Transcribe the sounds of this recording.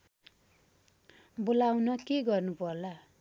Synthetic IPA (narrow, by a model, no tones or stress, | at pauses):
bolawnʌkeɡʌrnupʌrla